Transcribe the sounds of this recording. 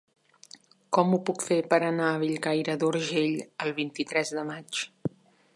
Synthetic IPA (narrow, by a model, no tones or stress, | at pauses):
kɔmupukfepəɾənaəβiʎɣajɾəðuɾʒeʎəlˠβ̞int̪it̪ɾɛzðəmat͡ʃ